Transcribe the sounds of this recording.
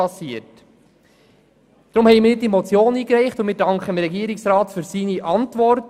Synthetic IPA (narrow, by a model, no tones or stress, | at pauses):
ɑsiət | d̥̪ɾʊmhɛɪmɪnɪt̚d̥imɔt͡sjoːniːkɾɛɪχtʊmɪːɾdɑŋkχəəmɾɛɡiəɾɪksɾɑːtfyɾsiːniʔɑntʋɔrt